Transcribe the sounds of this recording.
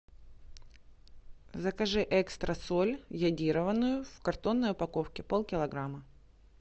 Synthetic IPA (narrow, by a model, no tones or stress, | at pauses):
zəkɐʐɨʔɛkst̪ɾəsolʲjɐdʲiɾəvənːʊjʊfkɐrt̪o̞nːəjʊpɐko̞fkʲɪpolˠkʲɪlˠɐɡɾamə